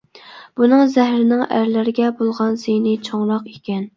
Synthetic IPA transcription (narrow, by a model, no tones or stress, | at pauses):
b̥unɨŋzæhɾɪnɪŋæɾlɪɾɪɡʲɛbolˠʁɑnsenɪt͡ʃʰoŋɾɑqekʲɛn